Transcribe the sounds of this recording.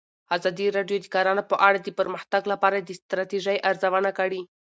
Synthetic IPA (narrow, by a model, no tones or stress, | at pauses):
azɑd̪iɾɑɖjod̪ikaɾɑnopəʔaɽad̪əpəɾməxt̪aɡlapɑɾad̪ist̪ɾat̪iʒajʔaɾzawanakaɽi